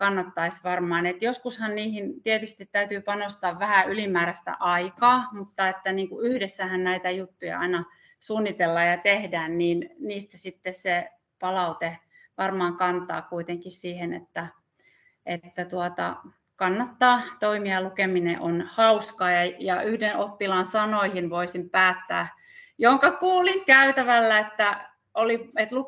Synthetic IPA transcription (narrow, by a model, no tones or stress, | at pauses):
kɑnːɑt̪ːɑisʋɑrmɑːnet̪joskushɑnniːhint̪iet̪yst̪it̪t̪æyt̪yːpɑnost̪ɑːʋʋæhæylimæːɾæst̪æ̰ʔɑikɑːmut̪ːɑet̪ːæniːŋkuyhdesːæhænnæit̪æjut̪ːujɑ̰ɑ̰inɑ | suːnːit̪elːɑjɑt̪ehdæːnniːnniːst̪æsit̪ːesse | pɑlɑut̪e | ʋɑrmɑːŋkɑnt̪ˑɑ̰ːkuit̪eŋkissiːhenḛt̪ːæ | ʔet̪ːæt̪uɑt̪ɑ̰ | kɑnːɑt̪ːɑːt̪oimiɑlukeminḛʔonhɑuskɑːjɑjɑʔyhdenʔopːilɑnsɑnoihinʋoisimpæːt̪ːæ̰ː | jooŋkɑkuːliŋkæyt̪æʋælːæet̪ːæ | oliet̪luk